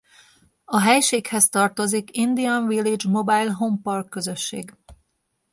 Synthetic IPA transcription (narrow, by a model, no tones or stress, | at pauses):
ɒɦɛjʃeːkhɛst̪ɒrt̪o̞zikind̪iɒnvilid͡ʒmo̞baːjlɦo̞mpɒrkːøzø̞ʃːḛːɡ